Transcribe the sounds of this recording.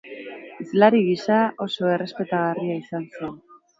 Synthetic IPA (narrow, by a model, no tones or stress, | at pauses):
izlaɾiɣisao̞so̞e̞re̞spe̞t̪aɣariaisanse̞n